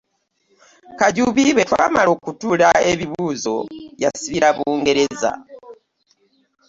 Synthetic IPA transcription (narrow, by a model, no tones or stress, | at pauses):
kaɟuβiβe̞twaːmalo̞ːkutulae̞βiβuzo̞̰jasiβiɾaβuːŋɡe̞ɾe̞za̰